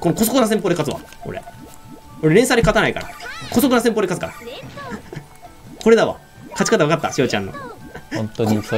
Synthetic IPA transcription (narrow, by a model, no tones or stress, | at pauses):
ko̞noko̞sokɯ̟nas̬empod̪ekat͡sɨβa̰o̰ɾḛ | o̞ɾeɾeɰ̃sad̪ʲekat̪anaika̰ɾa̰koso̞kɯnas̬empoːd̪ekat͡sɨ̥kaɾa | kʰo̞ɾe̞d̪aβa̰ | kat͡ɕi̥kat̪aβakat̪ːaɕioːt͡ɕã̰nːo̞̰õnt̪oi